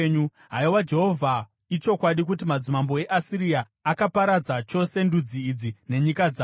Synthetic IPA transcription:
ɲu | ɦaiwad͡ʒe̞ɦo̞vʱa | it͡ʃo̞kwaɗik̬utimad͡zimambo̞e̞ʔasiɾiaː | kapaɾad͡zat͡ʃo̞se̞ndud͡ziːd͡zine̞ɲikad͡zaː

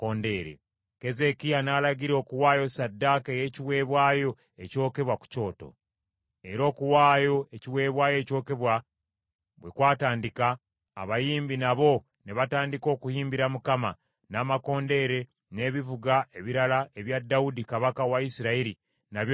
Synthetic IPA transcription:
konde̞ːɾḛ | ke̞ze̞kijanaːlaɡiɾo̞ːkuwaːjo̞sadːakeje̞ːciwe̞ːβwaːjo̞ | e̞co̞ːke̞βwaku̥co̞ːto̞̰ | e̞ɾo̞ːkuwaːjo̞eciwe̞ːβwaːjo̞ːco̞ːke̞βwa | βwe̞kwaːtaːndika̰ː | βajiːmbinaβo̞ | neβataːndiko̞ːkuhiːmbiɾamukama̰ | naːmako̞ːnde̞ɾe̞ | ne̞ːβivuɡaʔe̞βiɾalaeβjadːaudikaβakawaisiɾaiɾi | naβj

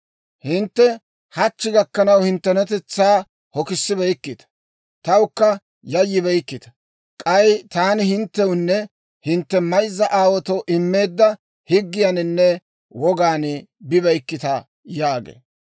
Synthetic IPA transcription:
hɪnt̪ːɛ | hɐt͡ʃːɪɡɐkːɐnɐwhɪnt̪ːɛnɛt̪ɛt͡sːaː | hɔkɪsːɪbɛjkːɪt̪ɐ̥ | t̪ɐwʊkːɐ | jɐjːɪbɛjkːɪt̪ɐ̥ | kʼɐjt̪aːnɪhɪnt̪ːɛwʊnːɛ | hɪnt̪ːɛmɐjzːɐʔaːwɔt̪ɔʔɪmːe̞ːd̪ːɐ | hɪɡːɪjɐnɪnːɛ | wɔɡaːnbɪbɐjkːɪt̪ɐ | jaːɡḛː

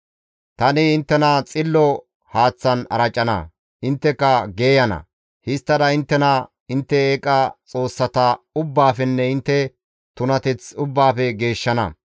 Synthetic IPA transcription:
t̪ɐnɪɪnt̪ːɛnɐt͡sʼɪlːɔ | haːt͡sːɐnɐ̰ɾɐt͡ʃʼːɐnɐ̰ | ʔɪnt̪ːɛkːɐɡe̞ːjɐnɐ̰ | hɪst̪ːɐd̪ɐɪnt̪ːɛnɐ | ɪnt̪ːɛeːkʼːɐt͡sʼo̞ːsːɐt̪ɐʊbːaːfɛnːɛɪnt̪ːɛ | t̪ʊnɐt̪ɛt͡sʊbːaːfɛɡe̞ːʃːɐnɐ̰

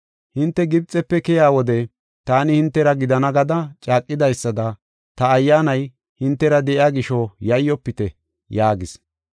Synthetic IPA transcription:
hɪnt̪ːɛɡɪbt͡sʼːɛpːɛkɛjaːwɔd̪ɛ | t̪aːnɪhɪnt̪ːɛɾɐɡɪd̪ɐnɐɡɐd̪ɐt͡ʃʼaːkʼːɪd̪ɐjsːɐd̪ɐ | t̪ɐːjːaːnɐj | hɪnt̪ːɛɾɐd̪ɛʔjaːɡɪʃɔjɐjːɔpːɪt̪ɛ | jaːɡɪs

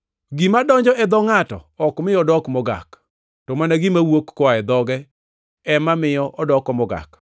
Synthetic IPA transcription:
ɡimadɔɲd͡ʒɔɛd̪ɔŋatɔ̰ɔkmɪɔdɔkmɔɡa̰k | tɔmanaɡimawokːɔaɛd̪ɔɡɛ | ɛmamɪjɔʔɔdɔkɔmɔɡa̰k

